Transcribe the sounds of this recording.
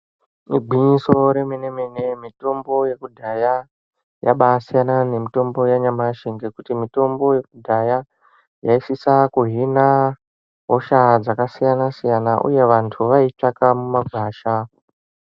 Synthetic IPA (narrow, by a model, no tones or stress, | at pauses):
iɡʱwiɲiso̞ɾe̞menemene̞mito̞mbo̞je̞kudʱaja | ja̰ɓasijanane̞mito̞mbo̞jaɲamaʃiŋɡekutimito̞mbo̞je̞kudʱaja | jaisisakuɦina | ɦoʃad͡zakasijanasijanaʔṵje̞ʋantʰuʋait͡ʂakamumaɡʱwaːʃa